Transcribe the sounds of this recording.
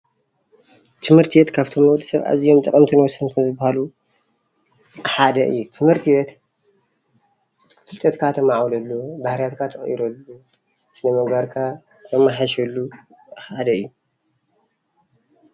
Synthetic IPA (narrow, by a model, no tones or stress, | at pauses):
t̪ʰɨmhɨɾt̪ʰiwɛt̪kʰaβt̪ʰomɐwd̪ɨ̥sɐβʔa̰zijomt̪ʼɐkʼɐmt̪ʰɨnwɔsɐnkʰɐnzɨbːahalu | ħad̪ɐʔɨ̰jːut̪ʰɨmhɨɾt̪ʰiwɛt̪ | fɨlt̪ʼɐt̪kʰat̪ʰɐmaʕwlɐlːubahɾijat̪kʰat̪ʰɐχʼḭɾɐlːu | sɨnɐmɐɡaɾkʰa | t̪ʰɐmaħaʃɐlːu | ħad̪ɐɨjːu